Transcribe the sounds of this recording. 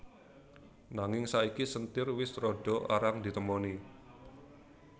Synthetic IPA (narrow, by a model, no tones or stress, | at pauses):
naŋɪŋsaikisənt̪ɪrwɪsrɔɖ̥ɔ̤ʔa̰ɾaŋd̪i̤t̪əmɔni